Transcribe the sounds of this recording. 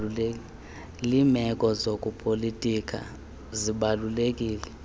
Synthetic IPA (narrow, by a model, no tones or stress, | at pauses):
limɛk̬ʼɔzokʼupʰʼolitʼik̬ʰʼa̰ | ziɓalulek̬ʼiːlɛ